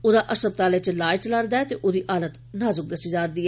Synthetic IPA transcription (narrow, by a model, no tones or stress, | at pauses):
oːd̪aːʔəsəb̚t̪aːleːt͡ʃəlaːɪt͡ʃləɾd̪aːɛt̪eːʔoːd̪iːʔaːlət̪ | naːzʊk̚d̪əsiːd͡ʒaːɾd̪iːɛː